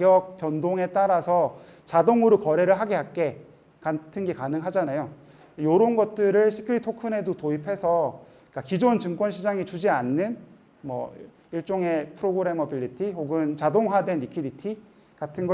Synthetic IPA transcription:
ɡjʌk̚p͈jʌndoŋe̞t͈aɾasʰʌ | t͡ɕadoŋuɾɯkʌɾe̞ɾɯɭɦaɡe̞ɦak͈e̞ | katʰɯnɡe̞kanɯŋɦad͡ʑanajo | joɾʌnɡʌt̚t͈ɯɾɯɭɕʰi̥kʰɯɾitʰokʰɯnɦe̞dotoipʰe̞sʰʌ | k͈akid͡ʑont͡ɕɯŋkwʌnɕʰid͡ʑaŋit͡ɕud͡ʑianːɯn | mʌ̰ | iɭt͡ɕ͈oŋe̞pʰɯɾoɡɯɾe̞mʌpiʎːitʰiɦoɡɯnt͡ɕadoŋɦwadwe̞nɾikʰiditʰi | katʰɯnɡʌ

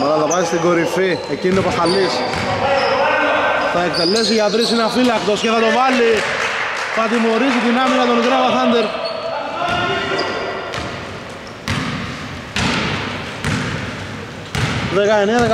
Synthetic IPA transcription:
mɐt̪ɐðθɐpɐsist̪iɡo̞ɾifiecinit̪opɐsalis | θɐek̚t̪elesiʝat̪ɾisinafilɐkt̪osceθɐt̪o̞vɐli | θat̪imo̞ɾisit̪inɐmikat̪onik̪ɾɐvaθɐnd̪eɾ | ðekaeneðek

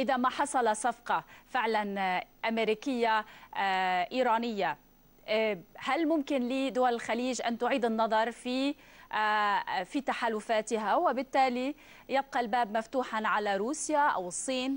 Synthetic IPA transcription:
ʔɪðamaħɑsˤɑlɑsɑfqɑfɪʕlanʔameɾiːkɪjːa | ʔiːɾɑːnɪjːa | halmʊmkɪnliːd̪ʊwalɪlxaliːʒʔant̪ʊʕiːd̪ɪnːɑðˤɑɾˤfi | fit̪aħaːlʊfaːt̪ɪɦawɪbɪt̪ːaːli | jɪb̚qɑlbaːbmaft̪uːħanʕalaɾuːsjaʔa̰wɨsˤːiːn

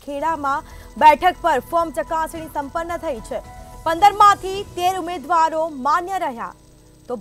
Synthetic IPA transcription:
kʰeɭamã | bɛʈʰək̚pəɾfomt͡ʃəkãsñisəmpənːət̪ʰəit͡ʃʰepənd̪əɾmãt̪ʰit̪eɾumed̪ʋaɾomanjəɾəɦja̰ | t̪ob

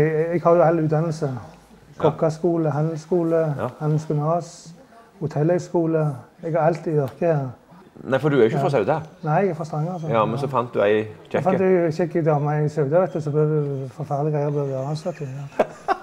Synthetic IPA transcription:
ɛɡhɑʁjʊɑlːʉːd̪ɑnəl̩sə | ɡ̥ʰɔkːɑskuːləɦɑnd̪l̩skuːləhɑnd̪l̩sɡʉnɑːs | hʊt̪ʰɛlːɛskuːləɛɡɑʁɑlt̪ɪʋɪʁkəheːʁ | næɪfɔd̪ʉæjʊçəfɾɔsœʉd̪ənæɪɛɡæfɔst̪ʁɛŋːəʁəsɔmɛnsɔfɑnt̪̚d̪ʉæɪfɑnd̪çɛkːɪd̪ɑːmɑɪsœʉd̪əʋɛt̪əsɔb̪øʋd̪ʉfɔʁfɑʁd̪ɪɡʁæɪəb̪ɛʋːʁɑnslɑt̪ʰːɪ

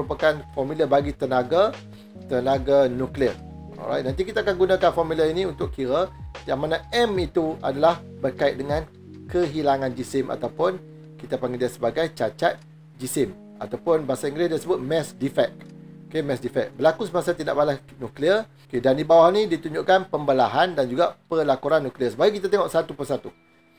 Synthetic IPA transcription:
ɾupakanfɔmilabaɡit̪ənaɡa | t̪ənaɡanukliə | ɔ̰ɾa̰jt̪nãnt̪ikit̪aːkanɡunãkanfɔmilainiunt̪ʊkkiɾət̪ijaŋmanaɛmit̪ua̰dalahbərkait̪̚dəŋãn | kəɦilaŋãnd͡ʒisɪmʔa̰t̪awpʊn | kit̪apaŋɡidiasəbaɡajt͡ʃat͡ʃat̪̚ | d͡ʒisɪm | a̰t̪awpʊnbasaiŋɡɾɪsdasəbʊt̪̚mɛsdifɛk̚okemɛsdifɛk̚bəlakusəmãsat̪ida̰ʔbalah | nukliə | kedandibawahnidit̪uɲd͡ʒuʔkanpəmbalaɦandand͡ʒuɡapəlakuɾanːukliəsəbaɡik̬it̪at̪eŋɔʔsat̪upəsat̪u

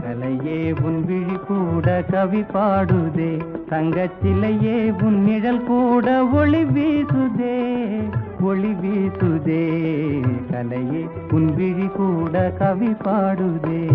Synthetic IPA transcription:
kɐlɐjeːmʊnbɪɻikuːɽɐkɐʋipːaːɽɯðeːt̪ɐŋɡɐt͡ʃːɪlɐjeːmʊnːɪɽɐlkuːɽɐʋɔɭiʋeːsɯðeː | ʋɔɭiʋiːsɯðeː | kɐlɐjeː | mʊnbɪɻikuːɽɐkɐʋipaːɽɯðeː

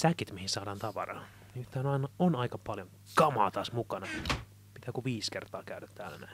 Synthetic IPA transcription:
sækit̪mihissɑːdɑːnt̪ɑʋɑ̰rɑ̰ː | nyt̪ːæːnɑinɑonɑikɑpɑljoŋ | kɑmɑ̰ːt̪ɑːsmukɑnɑ | pit̪æːkuʋiːskert̪ɑ̰ːkæydæt̪tæ̰ːlænæ̰

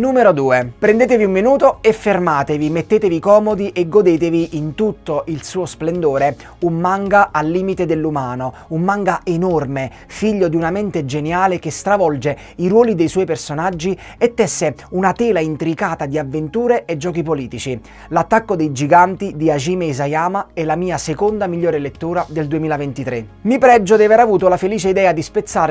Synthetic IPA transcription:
nuːmeɾod̪uːepɾend̪eːt̪eviumːinuːt̪oefːermaːt̪evimet̪ːeːt̪evikɔːmod̪iʔeɡːod̪eːt̪eviʔint̪ut̪ːoʔilsuːosplend̪oːɾe | umːaŋɡaʔalːiːmit̪ed̪elːumaːno | umːaŋɡaʔenorme | fiʎːod̪iunamɛnt̪ed͡ʒenjaːlekest̪ɾavɔld͡ʒe | iɾwɔːlid̪ejswɔːjpersonad͡ʒːi | et̪ːɛsːeunat̪ɛːlaint̪ɾikaːt̪ad̪iavːent̪uːɾeʔed͡ʒːɔːkipoliːt̪it͡ʃi | lat̪ːakːod̪ejd͡ʒiɡant̪id̪iaʒiːmeizajaːmaɛlːamiːasekond̪amiʎːoːɾelet̪ːuːɾad̪eld̪uemiːlavent̪it̪ɾe | mipɾɛd͡ʒːod̪iaveɾavuːt̪olafeliːt͡ʃeid̪ɛːad̪ispet̪sːaːɾ

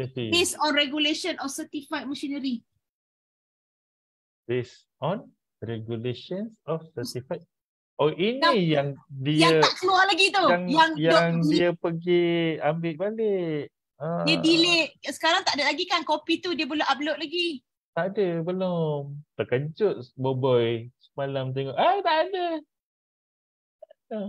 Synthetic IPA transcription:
isibesɔnrɛɡuleʃənɔfsət̪ifajt̪̚məʃinəɾi | b̥es | ɔn | rɛɡjuleʃənsɔfsət̪ifaj̪̚ | ɔʔinijaŋdijaŋəaʔkəlualaɡit̪oaŋjaŋjɔŋdiəpəɡiambɪʔbaleʔ | adiəbileʔsə̥kaɾaŋt̪aʔadalaɡikankopit̪udiəboloʔab̚loʔ̚laɡi | t̪aʔadəbəlomt̪əkəɲd͡ʒʊʔ̪̚bobɔjsə̥malamt̪̬eŋɔʔat̪aʔːdə | adə

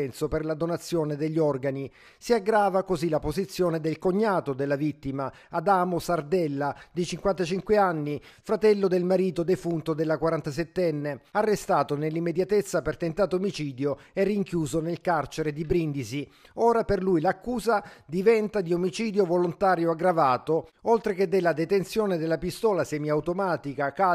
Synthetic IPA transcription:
ɛnsoperlad̪onat̪sːjoːned̪eʎːiɔrɡani | siaɡːɾaːvakozilapozit̪sːjoːned̪elkoɲːaːt̪od̪elːavit̪ːimaː | d̪aːmosard̪ɛlːad̪it͡ʃiŋkwant̪at͡ʃiŋkweanːifɾat̪ɛlːod̪elmaɾiːt̪od̪efunt̪od̪elːakwaɾant̪asɛt̪ːɛnːearːest̪aːt̪onelːimːed̪jat̪et̪sːapert̪ent̪aːt̪oːmit͡ʃiːd̪joɛrːiŋkjuːzonelkart͡ʃeɾed̪ibɾind̪isi | ɔːɾaperlujlakːuːzad̪ivɛnt̪ad̪iomit͡ʃiːd̪jovolont̪aːɾjoaɡɾavaːt̪oolt̪ɾeked̪ːelːad̪et̪ent̪sjoːned̪elːapist̪ɔːlasɛːmiawt̪omaːt̪ikaka

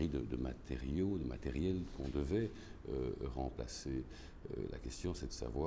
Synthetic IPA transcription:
ʁid̪əd̪əma̰t̪ʰeʁjod̪əma̰t̪eʁjɛlkɔ̃d̪əvɛ | øʁɑ̃pla̰se | øla̰kɛst̪jɔ̃sɛd̪əsa̰vwaː

